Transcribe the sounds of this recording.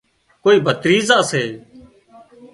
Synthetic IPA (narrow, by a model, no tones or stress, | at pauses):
koːiːbʱət̪ɾiːzãːseː